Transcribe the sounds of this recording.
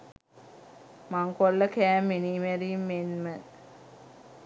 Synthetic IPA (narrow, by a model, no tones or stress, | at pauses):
maŋkolːəkæːmːiniːmæɾimːenmə